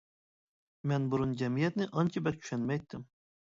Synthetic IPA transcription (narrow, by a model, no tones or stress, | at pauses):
mɛnbuɾʊnd͡ʒɛmijɛt̪nɪʔɑnt͡ʃʰibɛkʰy̥ʃɛnmɛjt̪ːɪm